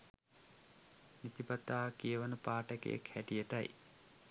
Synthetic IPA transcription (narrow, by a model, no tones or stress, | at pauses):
nit̪ipat̪aːkijəʋanəpaːʈəkḛjḛkhæʈijəʈa̰j